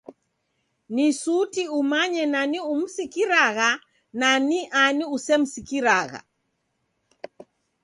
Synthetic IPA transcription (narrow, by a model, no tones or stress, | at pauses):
nisutiumaɲɛnanium̩sikiɾaɣa | naniʔaniusɛm̩sikiɾaɣa̰